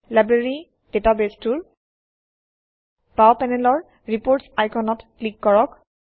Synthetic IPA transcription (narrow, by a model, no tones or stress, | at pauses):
lajbɹaɹi | d̥etabestuɹ | pawpɛnɛlɔɹ | ɹipoɹtsajkʰɔnɔtklikːɔɹɔk